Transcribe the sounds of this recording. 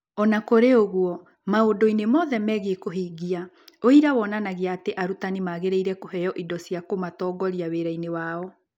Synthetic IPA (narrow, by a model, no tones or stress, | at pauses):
ɔnakoɾeoɣwɔ | maodoinemɔðɛmɛːɣekoɦiːɡia | oiɾawɔnanaɣeaːteʔaɾutanimaɣeɾeiɾɛkoɦɛjɔʔidɔsjakomatɔːɡɔɾiaweɾainewaːɔ